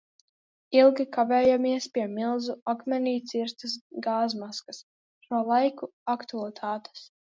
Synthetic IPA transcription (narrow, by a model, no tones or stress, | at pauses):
ilˠɡʲikavɛːjamiɛspʲiɛmilˠzuakmʲɛniːt̪siɾt̪ɨsɡaːzmaskas | ʃuɔlˠajkuakt̪ulˠt̪ʰaːt̪ɛ̥s